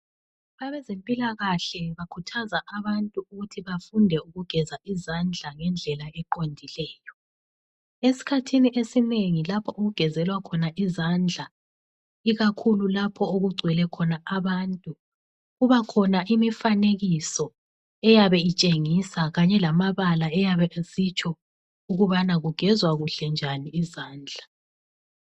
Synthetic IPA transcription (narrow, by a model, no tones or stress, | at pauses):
βaβɛzempʼilaɣaɬɛβakʰutʰazaʔaβantʼuuɣutʰiβafundʱɛuɣuɡ̥ʱɛzaʔizand͡ɮʱaŋɛnd͡ɮʱɛlaɛǃondʱilɛːjɔ | esi̥kʰatʰiniʔesineŋilapʰɔʔoɣuɡ̥ʱɛzɛlwakʰɔnaʔizand͡ɮʱa | iɣakʰululapʰɔoɣuɡ͡ǀʱwɛlɛkʰɔnaʔaβantʼu | ɣuβakʰɔnaʔimifaneɣisɔ | ɛjaβɛit͡ʃʼeŋisaɣaɲɛlamaβalaɛjaβɛzit͡ʃʼʰɔ | uɣuβanaɣuɡ̥ʱɛzwaɣuɬɛnd͡ʒʱaniːzaːnd͡ɮʱa